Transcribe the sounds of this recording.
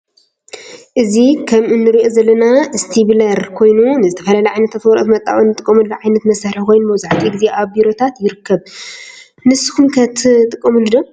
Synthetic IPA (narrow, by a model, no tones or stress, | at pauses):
ʔɨzikʰɐmʔɨnːɨɾiʔozɐlːɐnaɨst̪ʰiβlɐɾkʰo̞jnunɨzɨt̪ʰɐ̥fɐlalɐjʕajnɐt̪ʰat̪wɔɾʔʼt̪mɐt̪ʼːa̰winːɨt̪ʼɨkʼːɐmulːɐʕajnɐt̪mɐsɐħɾikʰo̞jnmɐwzaʕat̪ʰʼiɡzeʔaβbiɾo̞t̪ʰat̪jɪɾɨkʰːɐβ | nɨsːɨ̥kumkʰɐt̪ʰt̪ʼɨkʼːɐmulɨd̪o